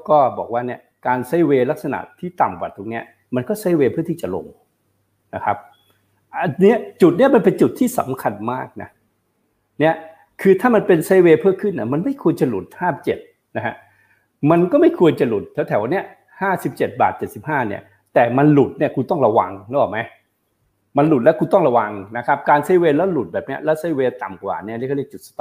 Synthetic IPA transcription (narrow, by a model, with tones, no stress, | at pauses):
kɔː˥˩bɔ̰ː˨˩k̚waː˥˩ni˥˩ɐkaː˧nsa˦˥jweː˧la˦˥k̚sa˧na̰˨˩ʔt̪ʰːiː˥˩t̪a˨˩mkwaː˨˩t̪ʰoː˧k̚ni˦˥ɐ | ma˧nkɔː˥˩sa˦˥˩jweː˧pʰɯ˥˩t̪iː˥˩t͡ɕa˨˩lo̰˧ŋ | na˦˥kʰa˦˥p̚ | ʔa˧ni˦˥ɐt͡ɕu˨˩t̪̚ni˥ɐma˧npe˧nt͡ɕu˨˩t̪ʰːiː˥˩sa̰˨˦mkʰa˧nmaː˥˩k̚na̰˦˥ | ni˦˥˩ɐ | kʰɯː˧t̪ʰaː˥˩ma˧npe˧nsa˦˥jweː˧pʰɯː˥˩kʰɯ˥˩nːi˧˥˩ma˧nma˥˩jkʰu˧ənt͡ɕa˨˩lu˨˩t̪̚haː˥˩m̚t͡ɕe˨˩t̪̚ | na˦˥kʰa̰˦˥ | ma˧nkɔː˥˩ma˥˩jkʰu˧ənt͡ɕa˨˩lu˨˩t̪̚ʰːɛː˨˦wt̪ʰɛː˨˦wʔa˧nːi˦˥ɐ | haː˥˩si˨˩p̚t͡ɕe˨˩t̪̚ba̰ː˨˩t̪̚t͡ɕe˨˩t̪̚si˨˩p̚haː˥˩nḭ˥˩ɐ | t̪ɛː˨˩ma˧nlu˨˩t̪̚ni˥ɐkʰuː˧t̪ɔ˥˩ŋɾa˧wa̰˧ŋlɛː˦˥˩aː˨˩ma˦˥j | ma˧nlu˨˩t̪̚lɛː˦˥wkʰuː˧t̪ɔ˥˩ŋɾa˧wa˧ŋna˦˥kʰa˦˥p̚kaː˧nsa˦˥weː˧lɛː˦˥lu˨˩t̪̚bɛː˨˩p̚ni˦˥ɐlɛː˦˥wsa˦˥weː˧t̪a˨˩mkwa̰ː˨˩ni˥˩˨ni˥˩˨kʰːɔ˥li˥˩t͡ɕu˨˩t̪̚a˧t̪